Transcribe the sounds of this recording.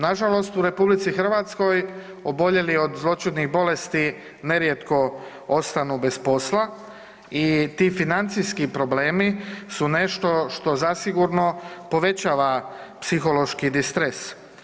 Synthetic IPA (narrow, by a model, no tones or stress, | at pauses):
naʒalo̞st̪uɾe̞publit̪sixərʋat̪sko̞j | obo̞ʎe̞lio̞d̪zlˠo̞t͡ʃid̪niɣbo̞le̞st̪i | ne̞ɾjet̪ko̞ | o̞st̪anube̞spo̞slˠa | it̪iːfinant̪sijskipɾo̞ble̞ːmisune̞ʃt̪o̞ʃt̪o̞zasiɡuɾno̞po̞ʋe̞t͡ɕaːʋa | psixo̞lo̞ʃkid̪ist̪ɾes